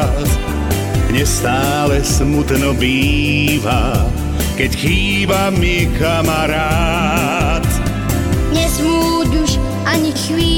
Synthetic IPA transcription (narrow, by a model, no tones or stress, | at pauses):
t̪ | ɲɛst̪aːlɛsmut̪nɔbiːva | kɛcxiːbamɪɛkamaɾaː | t̪ | ɲɛsmuːd̪uʃ | ʔaɲixviː